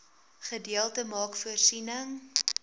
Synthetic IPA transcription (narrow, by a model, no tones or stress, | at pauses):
χədiəlˠtəmɑːkfuərsinəŋ